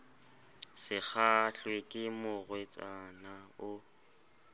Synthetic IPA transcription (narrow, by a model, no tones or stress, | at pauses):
sɪk͡xʰaɬwekʼɪmʊɣwet͡sʼanaʊ